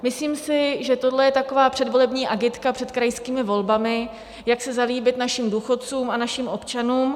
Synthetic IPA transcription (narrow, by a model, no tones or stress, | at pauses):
mɪsliːmsɪʒɛt̪o̞dlɛjɛt̪ako̞vaːpr̥ɛdvo̞lɛbɲiːʔaɡɪt̪kapr̥ɛt̪kɾajskiːmɪvo̞lbamɪ | jaksɛzaliːbɪt̪naʃimduːxo̞t̪̚t͡suːmanaʃimʔo̞pt͡ʃanuːm